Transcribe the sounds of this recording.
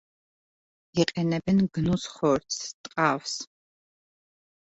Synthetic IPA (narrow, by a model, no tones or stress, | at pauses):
iqʼɛnɛbɛnɡnusχɔɾtt̪ʼqʼaːws